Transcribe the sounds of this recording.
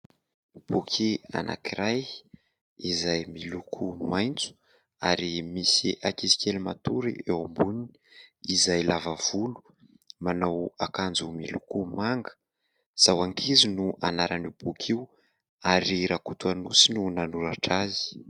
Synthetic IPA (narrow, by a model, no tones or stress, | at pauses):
b̥ukʰia̰nʔa̰kiɾaj | izajmilukʰumajnt͡su̥ | aɾimisiʔakisi̥kelumat̪uɾḭewambunini̥izajlavav̥ulu̥ | manawakand͡zumilukumaŋɡə̥ | z̥awaŋkʰizinuʔanaɾaniub̥ukʰiw | aɾiɾakut̪uanusinunanuɾaʈ͡ʂazi̥